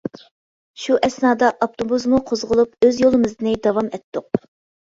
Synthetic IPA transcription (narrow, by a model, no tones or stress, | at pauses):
ʃuʔɛsnɑːd̪ɑʔɑpt̪ʰobuzmuqʰozʁʊlˠupøzjolˠɨmɨzd̪ɨnɨd̪ɑwɑmɛt̪ːʊq̚